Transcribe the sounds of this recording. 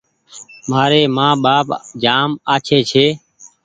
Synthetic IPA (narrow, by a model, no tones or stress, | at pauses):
maːɾeːmãːɓaːpd͡ʒaːmaːt͡ʃʰeːt͡ʃʰeː